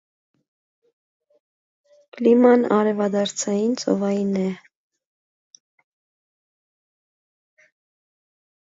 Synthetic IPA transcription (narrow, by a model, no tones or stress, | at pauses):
klimɑnɑɾɛvɑd̪ɑɾt͡sʰɑjint͡sɔ̰vɑjinɛ